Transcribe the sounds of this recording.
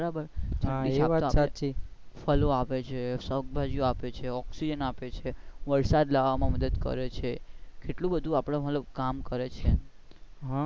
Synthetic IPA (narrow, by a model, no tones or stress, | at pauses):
bəɾabəɾd͡ʒəaʈiaaasat͡ʃi | fəloapet͡ʃʰesəwk̚bʱad͡ʒijoapet͡ʃʰeɔksid͡ʒənapet͡ʃʰeʋəɾsad̪laʋamãməd̪əd̪kə̰ɾet͡ʃʰekeʈlũbəd̪ʱũapɽ̃emət̪ləb̚kamkəɾet͡ʃʰe | ɦã